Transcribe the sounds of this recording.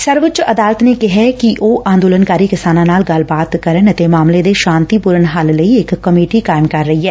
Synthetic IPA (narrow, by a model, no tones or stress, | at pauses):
sɐɾʋət͡ʃɐd̪aːlət̪nekɪɦɛkiʔoːʔãːnd̪oːlənkaːɾikɪsaːnãnaːlɡɐlbaːt̪kɐɾənɐt̪emaːmled̪eʃãːnt̪ipuɾənɦaːlləiekːɐmeːʈikaːɪmkɐɾːɐɦiɦɛː